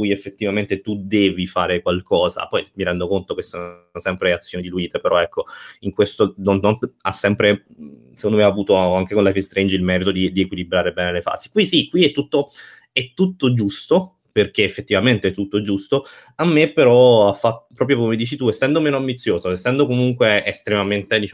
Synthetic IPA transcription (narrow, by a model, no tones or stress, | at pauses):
kujefːet̪ːivament̪et̪ud̪ɛːvifaːɾekwalkɔːza̰pɔjmiɾɛnd̪okont̪okesːoosɛmpɾeat̪sːjoːnid̪iluiːt̪epeɾɔɛkʰːoiŋkwest̪od̪ɔnt̪ɔnt̪a̰sːɛmpɾe | sekond̪omeaːvuːt̪oaŋk̟ekonlafest̪ɾejnd͡ʒilmɛːɾit̪od̪id̪iekwilibɾaːɾebɛːnelefa̰ːsi̥kwisikːwiɛt̪ːut̪ːo | ɛt̪ːut̪ːod͡ʒust̪o | perkeːfːet̪ːivament̪eɛt̪ːut̪ːod͡ʒust̪o | amːepːeɾɔafːat̪ːo̥pɾɔːp̬ɾjokomːed̪iːt͡ʃit̪uesːɛnd̪omeːnoambit̪sːjoːzoesːɛnd̪okomuŋkweest̪ɾemament̪ed̪it͡ʃa